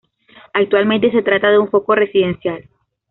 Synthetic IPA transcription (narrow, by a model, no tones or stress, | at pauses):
ak̚t̪walmẽ̞nt̪̬e̞s̬e̞t̪ɾat̪aðeuɱfo̞ko̞re̞siðe̞nsjal